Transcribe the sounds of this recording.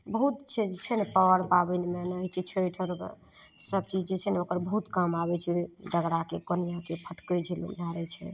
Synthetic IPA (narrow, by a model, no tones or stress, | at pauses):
bəɦut̪t͡ʃʰɛd͡ʒt͡ʃʰɛnepəwəɾpabənmenəɦit͡ʃʰɛt͡ʃʰəjʈʰəɾ̰səb̚t͡ʃid͡ʒet͡ʃʰɛneokəɾbəɦut̪kamabɛt͡ʃʰɛɖəɡɾakekonijakepʰəʈkəd͡ʒʰʱelṵmd͡ʒʱaɾɛt͡ʃʰɛ̰